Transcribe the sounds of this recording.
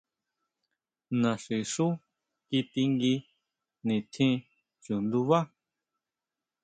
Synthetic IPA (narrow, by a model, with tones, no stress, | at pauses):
nã˨ʂi˨ʂu˦ | ki˧t̪i˧ŋɡi˧ | nĩ˨t̪ʰĩ˦ | t͡ʃu˨nd̪u˧βa˦